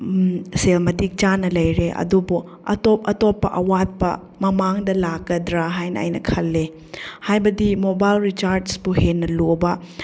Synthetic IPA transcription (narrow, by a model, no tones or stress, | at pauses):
selmɐtik̚t͡ʃanɐlɐjɾeʔɐ̰dubu | ɐ̰top̚ɐtopːɐʔɐwat̚pɐ̰ | mɐmaŋdɐlaɡɐdɾaɦajnɐɐ̰jnɐkʰɐlːe | hajbɐdimobajlɾit͡ʃaɾsbuhenːɐlobɐ